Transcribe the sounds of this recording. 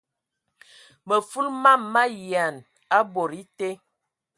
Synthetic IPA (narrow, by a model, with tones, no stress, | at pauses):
mə˨fu˦lma˦˨mːa˦ji˨a˨n | a˦bo˨ɾi˦te˦